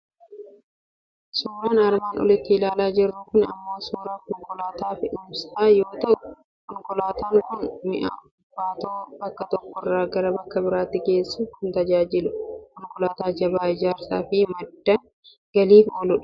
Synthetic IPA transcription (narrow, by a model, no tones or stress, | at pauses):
suːɾaːnɐɾmaːnɔ̰lɪt̪ːɪɪlaːlaːd͡ʒɪrːʊkʊnɐ̰mːoːsuːɾaːkɔŋkɔlaːt̪aːfɪʔʊmsaːjo̞ːt̪ɐʔʊ | kɔŋkɔlaːt̪aːŋkʊnmɪ̰ʔa̰ːʊbːaːt̪oːbɐkːɐt̪ɔkːɔrːaːɡɐɾɐbɐkːɐbɪɾaːt̪ːɪke̞ːsːuːhʊnt̪ɐd͡ʒaːd͡ʒɪlʊkɔŋkʊlaːt̪aːd͡ʒɐbaːɪd͡ʒaːɾsaːfɪmɐd̪ːɐn | ɡ̥ɐliːfoːlʊᶑɐ̥